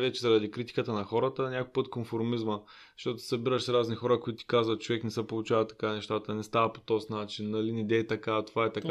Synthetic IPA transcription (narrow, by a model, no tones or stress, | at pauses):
vɛt͡ʃɛzɐɾɐd̪ikɾit̪i̥kət̪ənɐxɔɾət̪ənʲakojpɤt̪konfoɾmizmə | ʃt̪ɔt̪ʊ̥sɐbiɾəʃsɾaznixɔɾəkoit̪ʊt̪i̥kazvət̪̚t͡ʃovɛknɛsɛpolˠut͡ʃavət̪ːɐ̥kanɛʃt̪at̪ənɛst̪avəpo̥t̪ɔsnat͡ʃinːɐlinid̪ɛːt̪ɐkat̪ovaɛt̪ɐk